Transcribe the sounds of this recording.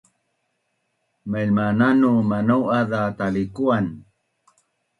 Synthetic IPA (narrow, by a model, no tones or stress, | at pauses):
məʎmananumanawaðat̪alikuan